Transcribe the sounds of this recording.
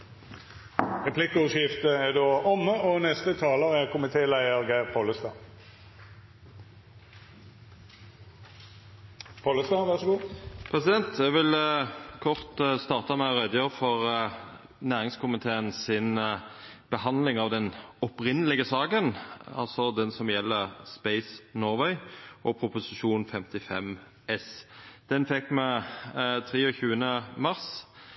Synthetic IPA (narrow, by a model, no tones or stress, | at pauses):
ʁɛpʰlɪkːəʉʃɪft̪əæd̪oːʔɔmːəɔnɛst̪ət̪ʰɑːləʁæʁkʰʊmɪt̪ʰeːlæɪəʁɡæɪʁpʰoləst̪ɑː | pʰoləst̪ɑːʋæʁʂɔɡuːpʰʁɛsɪd̪ɛnt̪ʰɛʋɪlkʰɔʁt̪st̪ɑːʁt̪ɑmæɪɔʁɛd̪əjøːʁəfɔʁ | næːʁɪŋskʰʊmɪt̪ʰeːənsɪn | b̥əhɑnd̪lɪŋɑʋd̪ɛnɔpʁɪnːəlɪɡəsɑːkənɑ̰lsɔd̪ɛnsɔmjɛlːəspɛɪsnɔːʁʋœʏʔɔpʰɾʊpʊsɪʃuːnfɛmt̪ɪfɛm | ɛsd̪̥ɛnfɛkːmɛ | t̪ʰɾiːɔçʉːənəmɑʁs